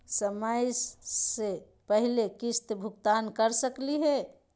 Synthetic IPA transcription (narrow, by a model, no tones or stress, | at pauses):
səməjse | pəɦilekist̪bʱukt̪ankəɾsəkliɦɛ